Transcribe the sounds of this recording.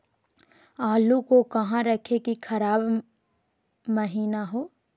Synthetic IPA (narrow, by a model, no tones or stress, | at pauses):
aːlukokɐɦãɾɐkʰekikʰɐɾaːb | mɐɦiːnaɦoː